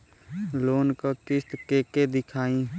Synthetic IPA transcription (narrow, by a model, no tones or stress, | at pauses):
loːnkakɪst̪keːked̪ɪkʰaːĩ